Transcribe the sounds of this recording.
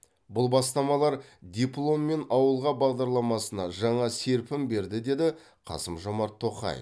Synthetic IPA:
bʊlˠbɑst̪ɑmɑlˠɑɾd̪ʲeplˠo̞mːe̞nɑwəlˠʁɑbɑʁd̪ɑɾlˠɑmɑsənɑʒɑɴɑse̞ɾpɪmbe̞ɾd̪ɪd̪e̞d̪ɪ | qʰɑ̰səmʒomɑɾt̪ʰːo̞qɑ̰j̰

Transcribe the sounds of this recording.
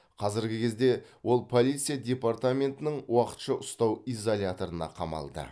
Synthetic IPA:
qʰɑzɪɾɡʲɪkʲʰe̞zd̪e̞wo̞lˠpʰo̞lʲˠijt̪sijadʲe̞part̪amʲe̞nt̪ɪnɪɴwɑqə̥t̪ʃəʔʊst̪ɑwijzolʲat̪o̞ɾənɑ̰qʰɑmɑ̰lˠd̪ə̰

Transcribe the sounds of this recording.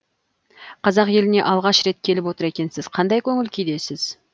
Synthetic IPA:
qʰɑzɑqje̞lɪne̞ʔɑlˠʁɑʃɾe̞t̪̚kʲʰe̞lɪpwo̞t̪əɾe̞kʲe̞nsɪz̥qʰɑnd̪ɑjkʲʰɵŋʲɪlkʲʰijd̪e̞sɪz̥

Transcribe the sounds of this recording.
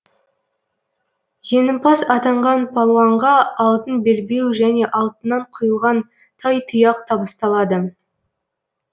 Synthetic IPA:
ʒ̥enəmpɑsɑt̪ɑɴʁɑnpʰɑlˠwɑɴʁɑɑlˠt̪ənbelbe̞wʒæne̞ʔɑlˠt̪ənːɑɴqʰʊjəlˠʁɑn | t̪ʰɑjt̪ʰʊjɑqt̪ʰɑbəst̪ɑlˠɑd̪ə

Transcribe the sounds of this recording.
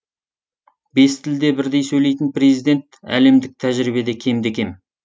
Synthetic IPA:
be̞st̪ʰɪld̪e̞bɪɾd̪e̞jsɵjle̞jt̪ɪnpre̞zijd̪e̞nt̪æ̰le̞md̪ɪk̚t̪ʰæʒɾibe̞d̪ekʲʰe̞md̪ekʲe̞m

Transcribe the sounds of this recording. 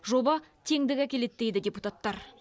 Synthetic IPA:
ʒo̞bɑt̪ʰe̞ŋd̪ɪɡʲækʲʰe̞le̞t̪d̪ejd̪ɪd̪ʲe̞put̪at̪ːɑɾ

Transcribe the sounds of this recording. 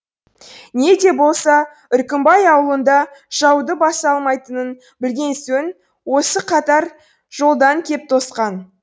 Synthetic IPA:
ne̞d̪e̞bo̞lˠsɑ | ʏɾkʲɪmbɑjɑwəlˠənd̪ɑʒ̥ɑwd̪əbɑsɑlˠmɑjt̪ənən | bɪlɡʲe̞nsɵn | wo̞səqʰɑt̪ɑɾ | ʒo̞lˠd̪ɑŋkʲʰe̞p̚t̪ʰo̞sqɑn

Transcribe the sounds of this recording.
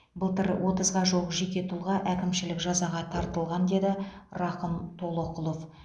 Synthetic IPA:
bəlˠt̪əɾwʔo̞t̪əzʁɑʒoʁəʒe̞kʲe̞t̪ʰʊlˠʁɑʔækʲɪmʃɪlɪkʒɑzɑʁɑt̪ʰɑɾt̪əlˠʁɑnd̪e̞d̪ɪrɑqəmt̪ʰo̞lˠoqəlˠo̞f

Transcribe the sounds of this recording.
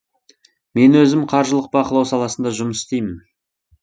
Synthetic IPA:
me̞nwɵzɪmqʰɑɾʒəlˠəq̚bɑqəlˠɑwsɑlˠɑsənd̪ɑʒʊməsɪ̥st̪ejmɪn

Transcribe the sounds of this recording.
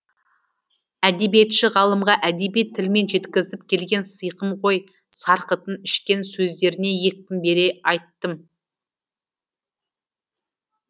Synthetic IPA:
æd̪e̞bije̞t̪ʃɪʁɑlˠəmʁɑʔæd̪ebijt̪ʰːɪlme̞nʒe̞t̪kʲɪzɪpkʲʰe̞lɡʲe̞nsəjqəmʁo̞j | sɑɾqət̪ənɪʃkʲe̞nsɵzd̪e̞ɾɪne̞je̞k̚t̪ɪmbe̞ɾe̞ɑjt̪ːəm

